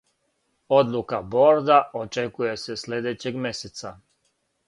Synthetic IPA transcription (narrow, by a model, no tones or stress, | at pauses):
o̞d̪lˠukabo̞ɾd̪aot͡ʃe̞kuje̞se̞sled̪et͡ɕe̞ɡmʲe̞set̪sa